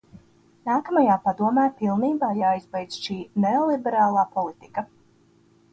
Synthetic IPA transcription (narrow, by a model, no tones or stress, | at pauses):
naːkamajaːpad̪uɔmaːpilˠniːbaːjaːizbɛjd̪sʃiːneɔlˠibɛɾaːlˠaːpɔlˠit̪i̥kɐ